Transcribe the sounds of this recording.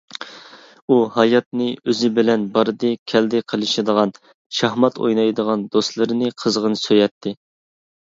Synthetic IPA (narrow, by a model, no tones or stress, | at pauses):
uhɑjɑt̪̚nɨøzɪbɪlɛnbɑɾɨd̪ɨkʲʰɛld̪ɪqʰəlˠɨʃɪd̪əʁɑn | ʃɑhmɑt̪ʰo̰jnɑjd̪əʁɑnd̪ost̪lˠɨɾɨnɨqʰəzʁənsøjɛt̪ʰːɪ